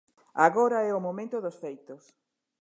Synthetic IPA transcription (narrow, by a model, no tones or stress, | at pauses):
aɣoɾaɛʊmomẽnt̪ʊðosfejt̪os